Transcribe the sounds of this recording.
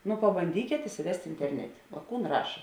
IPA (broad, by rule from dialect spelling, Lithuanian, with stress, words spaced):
nʊ pɐbɐnʲˈdʲiːkʲeːt ɪsʲɪˈʋʲɛsʲtʲ ɪnʲtʲɛrʲˈnʲæːtʲeː oː ˈkuːn ˈrɑːʃɐ